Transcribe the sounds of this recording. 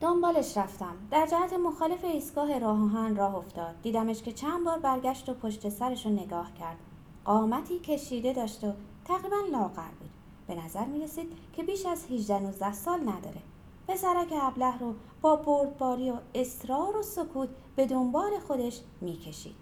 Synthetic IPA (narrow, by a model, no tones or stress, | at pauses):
d̪̥ombɒːle̞ʃɾæft̪æmd̪̥æɾd͡ʒæhæt̪ʰe̞mo̞xɒːle̞fe̞iːst̪ɡɒːɦe̞ɾɒːɦɒɦænrɒːɦo̞ft̪ɒːd̪̚ːiːd̪æmeʃke̞t͡ʃʰænbɒːɾbæɾɡʲæʃt̪o̞pʰo̞ʃt̪e̞sæɾeʃone̞ɡɒːhcʰæɾd̪̥ | ɢɒːmæt̪ʰiːcʰe̞ʃiːd̪e̞d̪ɒːʃt̪ot̪ʰæɣɾiːbænlɒːɣæ̰ɾbuːd̪̥ | b̥e̞næzæɾmiːɾe̞siːd̪̥cʰe̞biːʃæzhiʒd̪ænuːzd̪æhsɒːlnæd̪ɒ̰ːɾe̞ | pʰe̞sæɾɒːcʰeæblæhɾo | b̥ɒːboɾd̪̚bɒːɾioe̞sɾɒːɾoso̞kʰuːt̪ʰ | b̥e̞d̪o̞mbɒːle̞xo̞d̪e̞ʃ | miːcʰe̞ʃḭːd̪̥